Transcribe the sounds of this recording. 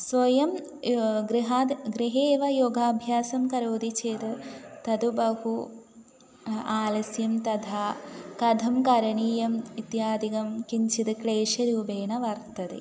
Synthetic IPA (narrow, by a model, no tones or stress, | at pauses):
sʋɐjɐm | ɡɾiɦaɡɾiɦeːʋɐjoɡʱaːbʱjaːsɐmkɐɾoːd̪it͡ʃeːt̪ɨt̪ɐd̪ubɐhu | aːlɐsjɐmt̪ɐd̪ʱaːkɐd̪ʱɐmkɐɾɐɳiːjɐmit̪jaːd̪ikɐmkiɲt͡ʃʰit̪ɨkleːʂɐɾiubeːnɐʋɐɾt̪ɐt̪ḛ